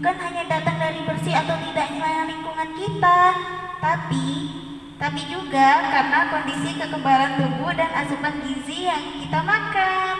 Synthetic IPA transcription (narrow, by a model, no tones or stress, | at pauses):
bukanɦaɲadat̪aŋdaɾibərsiat̪awt̪idaʔɲsajaŋliŋkuŋankit̪a | t̪api | t̪apid͡ʒuɡakaɾənakondisikəkəmbaɾant̪uɡudana̰səbanɡizijaŋkit̪amakan